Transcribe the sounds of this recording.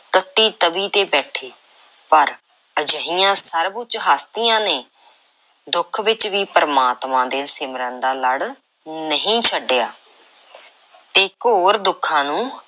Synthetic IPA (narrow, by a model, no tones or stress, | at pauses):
t̪ət̪ːiːt̪əbiːt̪eːbɛːʈʰeː | pəɾ | əd͡ʒəɦijãːsəɾbʊt͡ʃɦaːst̪ijãːneː | d̪ʊkʰʋɪt͡ʃʋiːpəɾəmaːt̪mãːd̪ẽːsɪmɾə̃nd̪aːləɽ | nəɦĩːt͡ʃʰəɖːɪjaː | t̪eːkoːɾd̪ʊkʰːãːnũː